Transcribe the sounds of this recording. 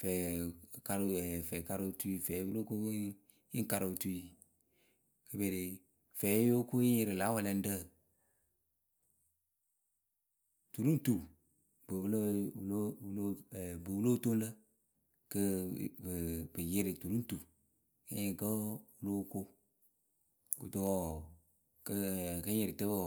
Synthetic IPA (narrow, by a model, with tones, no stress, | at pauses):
fɛ˨ka˧ɾɛ˨fɛ˨ka˧ɾɨ˧˦tu˦˧i˧fɛ˨˦wu˦lo˦ko˦ | i˦ŋ˦ka˧ɾɨ˨tu˧i˧˦ | kə˧be˨ɾe˨ | fɛː˨˦jo˦ko˦ĩ˦je˧ɾɨ˨la˨˦wɛ˧˨lɛ˧n̩˦də˦˨ | tu˨ɾũ˦tu˨ | bɨ˨blo˦wlo˦wu˦lo˦˨bɨ˨wu˦lo˦to˦lə˦ | kə˦bbɨ˨jɪ˦ɾi˨tu˨ɾu˦n˦tu˨ | kə˦ɲe˨kə˦wu˦lo˦ko˦ | ku˨to˦wɔ˦ | kə˦kə˦ɲɪ˨ɾi˨tə˦bo˦